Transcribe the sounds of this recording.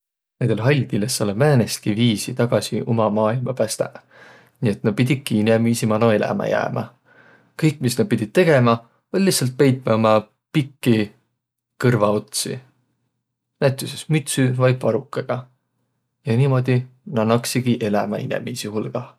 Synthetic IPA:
nend̪̥elɦɑlʲd̪ilesːolevæːnest̪iviːsit̪ɑɡ̥ɑsiomɑmɑːilmɑpæst̪ɑ̰ | nie̞t̪nɑpid̪̥ʲikːiinemiːsimɑnoe̞læ̰mɑ̰jæ̰ːmʔɑ̰ | kɤjkːˑmisnɑpid̪̥ʲit̪̚t̪ːe̞ɡ̥e̞mɑ | o̞lʲlihtsɑlt̪̚pe̞jt̪̚mɑomɑ | pikːi | kɤrvɑot̪sḭ | næt̪ˑjusesmyt̪syvɑjvɑɾukːˑɑɡ̥ɑ | jɑniːmo̞d̪̥ʲinɑnɑksiɡ̥iʔe̞læmɑ̰inḛmiːsihulɡ̥ɑ

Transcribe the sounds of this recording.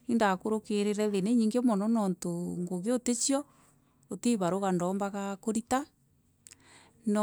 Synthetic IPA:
indakoɾokeɾeɾɛðeneɲiŋɡemɔnɔnɔntoŋɡoβeotet͡ʃiɔ | oteβaɾoɣandɔːmbaɣakoɾita | n

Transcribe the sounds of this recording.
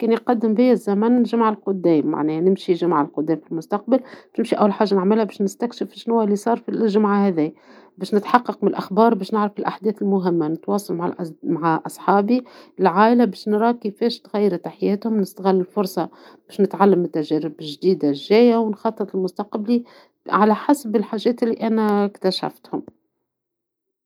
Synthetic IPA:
kɛːnjqɑd̪ːɪmbɪjːæzːæmænnʒamaʕɪlqʊd̪ːɛːmːa̰ʕnɛːnɪmʃiʒamʕalqʊd̪ːɛːmfilmʊst̪ɑq̚balbɛʃnɪmʃiʔæ̰wːælħaːʒːanɪʕmɪlhæbɛːʃnɪst̪ækʃɪfʃnʊwːælːisˤɑːɾˤfilʒamʕahɛðiːbɛːʃnɪt̪ħɑqːɑq̚mɪnɪlʔaxbɑːɾˤbɛːʃnɪʕɾafɪlʔaħd̪ɛːθɪlmʊɦɪmːanɪt̪wɑːsˤɑlmaʕa̰ʔmaʕaʔɑsˤħɑːbiɪlʕaːʔɪlabeːʃnɾˤɑːkefeːʃt̪ɣæjːɪɾt̪aħɪjeːt̪hʊmnɪst̪aɣɪlːɪlfʊɾˤsˤɑ | b̥eːʃnɪt̪ʕalːambɪt̪ːaʒæːɾɪbʒd̪iːd̪aʒːeːjawɪnxɑt̪ˤːɨt̪ˤɪlmʊst̪aqbli | ʕalaħasbɪlħaːʒeːt̪ɪlːiʔanakt̪aʃa̰ft̪hʊm

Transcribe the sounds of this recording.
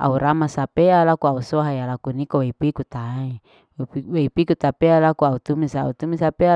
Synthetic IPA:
a̰uɾamasapealakuausoɦajalakunikoweipuikut̪ai | weipikut̪apealakuaut̪umisaut̪umisapea

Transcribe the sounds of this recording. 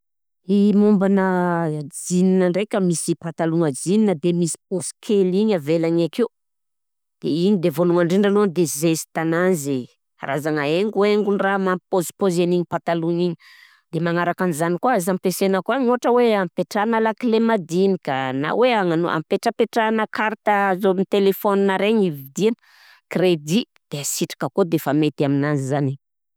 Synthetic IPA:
imumbanəd͡zininəɳɖ͡ʐekʲəmisipat̪aluŋəd͡zininəd̪emisi̥poskʰeliɲavelaɲakiu | d̪̥eiɲid̪evonuŋaɳɖ͡ʐiɳɖ͡ʐanond̪ezesi̥t̪ananzi | a̰ɾazaŋaeŋɡuweŋɡunramampozpozeniɲipat̪aluŋiɲi | d̪emaŋaɾakanizanikuaazampesenəkoaɲuaʈ͡ʂəweampeʈ͡ʂanalaklemad̪inikana̰weaŋano̰ʔa̰mpeʈ͡ʂəpeʈ͡ʂanəkaɾt̪əzonit̪elefɔninaɾeɲivid̪inə | kred̪i | d̪̥easiʈ͡ʂḁkəkod̪efamet̪aminanzizani

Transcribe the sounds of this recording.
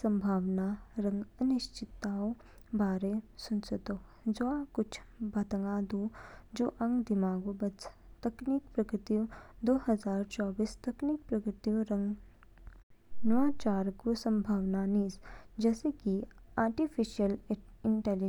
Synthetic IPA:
sɐ̃mbʱaːʋnaɾɐ̃ŋɡənɪʃt͡ʃɪt̪ːaːo | baːɾesʊnsət̪o | d͡ʒoakʊt͡ʃʰbʱɐt̪əŋɡaːd̪uːd͡ʒoːʔɐ̃ŋɡd̪ɪmaːɡubɐst̪ɐknikpɾɐkɾɪt̪iũd̪oːɦɐzaːɾt͡ʃɔːbiːst̪ɐknik̚pɾɐkɾɪt̪iũɾə̃ŋɡ | nɐʋãːt͡ʃaːɾɡusɐ̃mbʱaːʋnaniːsd͡ʒɛːsekiaːɾʈifʰiʃiəlɪɳʈɛl

